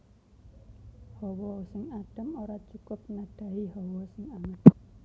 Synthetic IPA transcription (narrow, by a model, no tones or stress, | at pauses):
hɔwɔsɪŋaɖ̥ə̤moɾat͡ʃukʊp̚naɖ̥a̤iɦɔwɔsɪŋamɪt